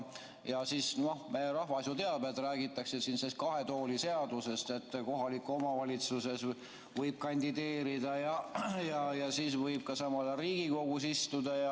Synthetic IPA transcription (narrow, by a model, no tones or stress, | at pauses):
jɑsiːsno̞hmejeɾɑhvɑsjut̪e̞ɑd̪̚met̪ræːɡit̪ːˑɑksesinsest̪kɑɦe̞t̪o̞ːlʲise̞ɑd̪use̞st̪et̪ːˑko̞ɦɑlikːˑuomɑvɑlʲit̪suse̞s | vɤjb̥̚kɑnʲd̪id̪e̞ːɾid̪̥ɑjɑjɑjɑsiːsvɤjb̥̚kɑsɑmɑlɑriːɡ̥iko̞ɡ̥usist̪ud̪̥ɑjɑ